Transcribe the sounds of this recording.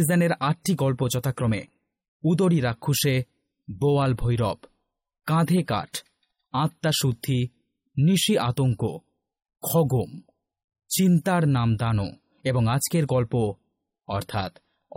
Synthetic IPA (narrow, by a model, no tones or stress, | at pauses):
izaneɾaʈʈiɡɔlpod͡ʑɔt̪akɾome | ud̪oɽiɾakʰːuʃe | boalbʱojɾɔb | kãd̪ʱeka̰ʈʰ | ãt̪ːaʃud̪ʱːi | niʃiʔat̪oŋko̰ | kʰɔɡom | t͡ɕint̪aɾnamd̪ano̰ | eboŋad͡ʑkeɾɡɔlpo | ɔɾt̪ʰat̪